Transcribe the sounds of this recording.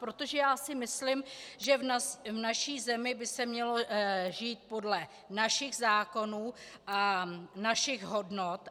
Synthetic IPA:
pɾo̞t̪o̞ʒɛjaːsɪmɪslɪmʒɛvvnaʃiːzɛmɪbɪsɛmɲɛlo̞ʒiːt̪̚po̞dlɛ | naʃɪɣzaːko̞nuː | ʔanaʃɪɣɦo̞dnot̪

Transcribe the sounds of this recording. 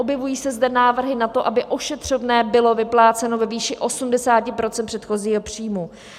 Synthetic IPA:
ʔobjɛvujiːsɛzdɛnaːvr̩ɦɪnat̪o̞ʔabɪʔo̞ʃɛt̪r̝̥ovnɛːbɪlo̞vɪplaːt͡sɛno̞vɛviːʃɪʔo̞sumdɛsaːcɪpɾo̞t͡sɛnpr̥ɛt̪xo̞ziːɦo̞pr̝̥iːmu

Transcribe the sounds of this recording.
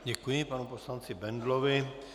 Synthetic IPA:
ɟɛkujɪpanuposlant͡sɪbɛnd̪lovɪ

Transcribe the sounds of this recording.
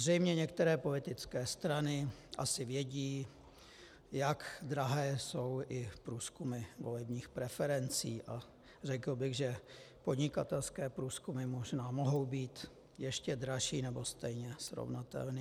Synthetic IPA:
zrɛjmɲɛɲɛk̚t̪ɛɾɛːpo̞lɪt̪ɪt͡skɛːst̪ɾanɪʔa̰sɪvjɛɟiː | jakd̪ɾaɦɛːso̞wʔɪpɾuːskumɪvo̞lɛbɲiːxpɾɛfɛɾɛnt͡siːʔa | rɛkl̩bɪɣʒɛ | pod̪ɲɪkat̪ɛlskɛːpɾuːskumɪmo̞ʒnaːmoɦo̞wbiːt̪ | jɛʃcɛd̪ɾaʃiːnɛbo̞st̪ɛjɲɛsɾo̰vnat̪ɛ̰lniː

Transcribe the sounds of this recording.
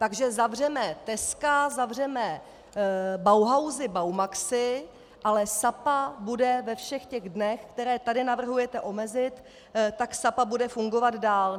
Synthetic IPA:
t̪aɡʒɛzavr̝ɛmɛt̪ɛskazavr̝ɛmɛ | bawɦawzɪbawmaksɪ | ʔalɛsapabudɛvɛfʃɛxcɛɣdnɛxkt̪ɛɾɛːt̪adɪnavr̩ɦujɛt̪ɛʔo̞mɛzɪt̪ | t̪ːaksapabudɛfuŋɡo̞vad̪daːl

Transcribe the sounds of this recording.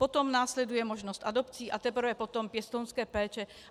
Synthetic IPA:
pot̪omnaːslɛd̪ujɛmoʒnɔst̪ʔad̪opt͡siːʔat̪ɛpr̩vɛpot̪ompjɛst̪ownskɛːpɛːt͡ʃɛ

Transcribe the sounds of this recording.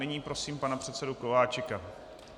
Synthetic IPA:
nɪɲiːpɾo̞siːmpanapr̝̥ɛt̪sɛdukovaːt͡ʃɪka

